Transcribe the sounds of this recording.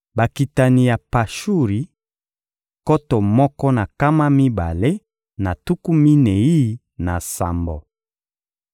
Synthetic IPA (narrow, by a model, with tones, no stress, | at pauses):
ba˨ki˨ta˨ni˨ja˨pa˨ʃu˦ʁi˨˦ | ko˦tɔ˨mɔ˦kɔ˦na˨ka˦ma˦mi˦ba̰˨le˦ | na˨tu˦ku˦mi˦ne˨i˦ | na˨sa̰˨mbo˨